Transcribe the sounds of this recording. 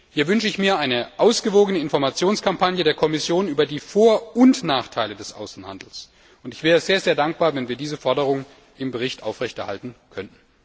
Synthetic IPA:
hiːɐvʏnʃəɪçmiːɐʔaɪnəʔaʊsɡ̥əvoːɡənəɪnfɔɐmat͡sjoːnskʰampʰanjədeːɐkʰɔmɪsjoːnyːbɐdiːfoːɐʊntnaːχtʰaɪlədɛsʔa̰ʊsn̩ha̰ndl̩s | ʔʊntɪçv̥ɛːʁəzeːɐzeːɐdaŋk̚b̥aːɐvɛnviːɐdiːzəfɔɐdəʁ̞ʊŋən | ɪmbəʁ̞ɪçtʔaʊfʁɛçtɛɐha̰ltn̩kʰœnn̩

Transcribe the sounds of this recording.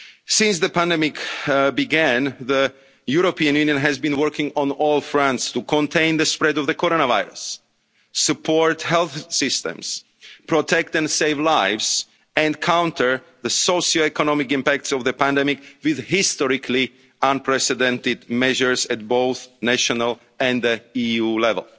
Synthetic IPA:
sɪ̃ns̬ðəpæ̃ndɛmɪkbiɡæ̃nðə | juɾopiãnjũnjə̃nɦæzbĩnwɜ˞kɪ̃ŋɔ̃nɔlˠfɹãntst̪ukɔ̃ntʰẽɪ̃nðəspɹɛdɔvðəkʰɔɾoñavaɪɹə̰sː | ɨpʰɔɹt̪hɛlˠθsɪst̪ə̰̃ms | pɹɔtʰɛk̚t̪ɛ̃nseɪvlaɪvz | ɛ̃nkʰãw̃ntʰə˞ | ðəsoʊʃioɛkɔnɔmɪkɪ̃mpæk̚tsɔvðəpæ̃ndɛmɪkwɪðhɪst̪ɔɹɪkʰli | ãnpʰɹɛsɛdɛ̃ntɪdmɛʒəɹzæt̚boʊθnæʃɔnalˠ | ɛ̃nəijulɛvə̰lˠ

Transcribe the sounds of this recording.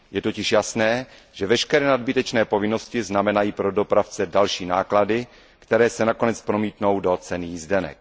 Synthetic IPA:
jɛt̪ocɪʃjasnɛː | ʒ̥ɛvɛʃkɛɾɛːnadbɪt̪ɛt͡ʃnɛːpo̞vɪno̞scɪznamɛnajiːpɾodo̞pɾaft͡sɛdalʃiːna̰ːkladɪ | kt̪ɛɾɛːsɛnako̞nɛt͡spɾo̞miːt̪no̞wdo̞t͡sɛnijizdɛnɛ̰k

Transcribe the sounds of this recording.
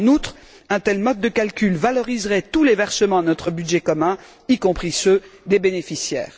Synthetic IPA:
nut̪χ | ɛ̃t̪ɛlmɔd̪̚d̪əkalkʲylvalɔʁizʁɛt̪ulevɛʁsəmɑ̃nɔt̪χəbyd̪ʒɛkɔmɛ̃ | ikɔ̃pχisød̪ebenefisjɛ̰ːʁ

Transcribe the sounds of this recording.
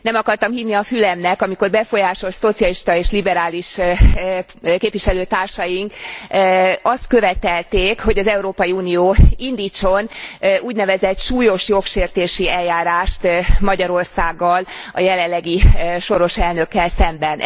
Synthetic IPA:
nɛmɒkɒrt̪ɒmhiːnnːiɒfylɛmnɛkɒmiko̞rbɛfo̞jaːʃo̞lso̞t̪sijɒliʃt̪ɒeːʃlibɛɾaːliʃ | keːpviʃɛløːt̪aːrʃɒjiŋk | ɒst̪̚kø̞vɛt̪ɛlt̪eːkho̞ɟɒzɛuɾoːpɒjiuːnioːind̪iːt͡ʃonʔuːɟnɛvɛzɛt̪ʃuːjo̞ʃjo̞kʃeːrt̪eːʃiɛlːaːɾaːʃt̪mɒɟɒɾo̞rsaːɡːɒlɒ̰jɛlɛllːɛɡiʃo̞ɾo̞ʃɛlnø̞kːɛlsɛmbɛn

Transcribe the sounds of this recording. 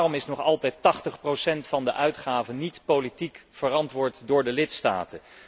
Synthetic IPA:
rɔmɪsnɔχɑlˠtɛjtɑχtəχprowsɛntfɑndəʔœɥtχaːvənitpowlitikfərɑntʋʊːɹtdʊːɹdəlɪtsta̰ːtə

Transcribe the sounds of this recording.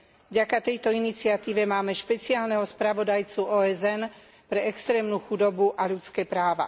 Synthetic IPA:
vɟakat̪ɛjt̪ɔinit͡sɪat̪iːʋɛmaːmɛʃpɛt͡siaːlnɛɦɔspɾaʋɔd̪ajt͡suɔːɛzɛn | pɾɛɛkst̪ɾɛːmnuːxud̪ɔbuʔaʎut͡skɛːpɾaːʋa̰

